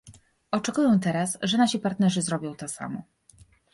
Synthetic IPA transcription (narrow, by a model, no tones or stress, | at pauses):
ɔt͡ʂɛkujɛw̃t̪ɛɾasʐɛnaɕipaɾt̪nɛʐɘzɾɔbʲjɔ̃w̃t̪ɔsa̰mɔ